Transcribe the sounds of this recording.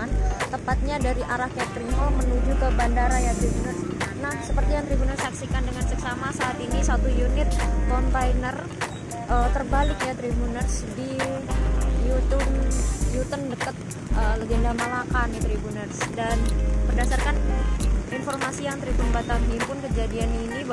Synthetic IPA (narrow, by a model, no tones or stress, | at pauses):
ant̪əmpat̪̚ɲadaɾiʔaɾahkɛt̪ɾimɔmənud͡ʒukəbandaɾajat̪ɾibunərsnahsəpərt̪ijaŋt̪ɾibunərsaksikandəŋansəksamasaːt̪inisat̪ujunɪt̪̚kɔnt̪ajnər | ʔət̪ərbalɪkjat̪ɾibunərsdi | jut̪ub̚jut̪əndəkət̪̚ | ʔələɡendamalakanit̪ɾibunərsdanpərdasarkan | infɔrmasijaŋt̪ɾibunbat̪aŋɦimpʊnkəd͡ʒadianini